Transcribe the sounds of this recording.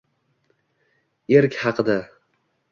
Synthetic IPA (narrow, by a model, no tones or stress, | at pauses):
eɾkʲhɑqʰɨd̪a